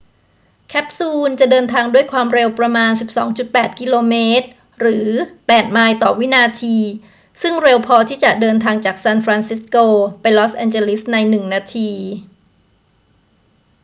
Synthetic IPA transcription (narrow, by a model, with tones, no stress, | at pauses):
kʰɛ˦˥p̚suː˧nt͡ɕa˨˩ʔdɤː˧nt̪ʰaː˧ŋdu˥˩əjkʰwaː˧mɾe˧wpɾa˧maː˧nsi˨˩p̚sɔ̰ː˩˦ŋt͡ɕu˨˩t̪̚pɛː˨˩t̪̚ki˧loː˧meː˦˥t̪̚ | ɾɯː˩˦pɛː˨˩t̪̚maː˧jt̪ɔː˨˩wi˦˥naː˧t̪ʰiː˧ | sɯ˥˩ŋɾe˧wpʰɔː˧t̪ʰiː˥˩t͡ɕa˨˩ʔdɤː˧nt̪ʰaː˧ŋt͡ɕaː˨˩k̚sɛ˧nfɾaː˧nsi˦˥skoː˧pa˧jlɔ˦˥sʔɛː˧nt͡ɕe˧li˦˥sna˧jnɯ˨˩ŋnaː˧t̪ʰiː˧